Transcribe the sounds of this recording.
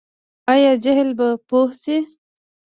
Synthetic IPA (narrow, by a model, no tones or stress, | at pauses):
ajɑd͡ʒaɦlbapohsi